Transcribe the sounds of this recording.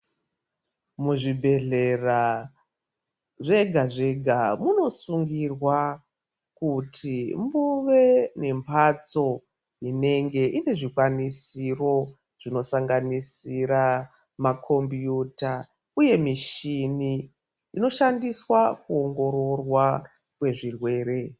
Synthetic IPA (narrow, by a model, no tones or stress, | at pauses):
muʐibʱe̞ɮe̞ra | ʐe̞ɡʱaʐe̞ɡʱamuno̞suŋɡirwa | kutʰimbuʋe̞ne̞mpʰat͡so̞ | ine̞ŋɡe̞ʔine̞ʐikwanisiro̞ | ʐ̥ino̞saŋɡanisiɾa | makʰo̞mbjuta | uje̞miʃiniː | no̞ʃandiswakuo̞ŋɡo̞ɾo̞rwa | kwe̞ʐirwe̞ːɾe̞